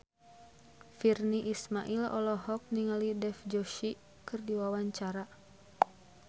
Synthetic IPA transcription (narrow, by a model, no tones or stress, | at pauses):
firniʔismaʔilɔ̰lɔɦɔk̚niŋalidɛfd͡ʒɔʃi | kɨrdiwawaɲt͡ʃaɾa